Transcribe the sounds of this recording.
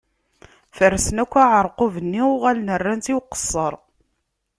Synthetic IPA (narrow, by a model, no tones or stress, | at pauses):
fəɾːəsnækʷːaʕəɾˤqovənːiʊʁælnərːænt̪iwqə̥sˤːəɾˤ